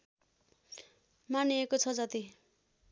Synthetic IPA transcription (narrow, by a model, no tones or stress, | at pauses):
maniekot͡sʰʌd͡zʌt̪i